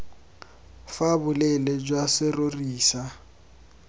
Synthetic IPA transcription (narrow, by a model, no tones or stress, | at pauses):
fabʊlɛlɛd͡ʒwasɪroriːsa